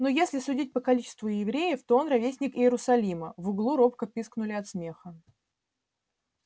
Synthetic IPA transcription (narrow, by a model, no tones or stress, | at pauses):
nojesʲlʲɪsʊdʲit̚ʲpəkɐlʲit͡ɕɪ̥st̪vʊjɪvɾʲejəft̪o̞onrɐvʲesʲnʲɪkɪjɪɾʊsɐlʲiməvʊɡlˠuɾo̞pkəpʲisknʊlʲɪɐt̪smʲe̞xə